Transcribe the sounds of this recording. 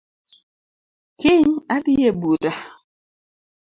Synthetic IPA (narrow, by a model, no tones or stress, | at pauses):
keɲadijebuɾa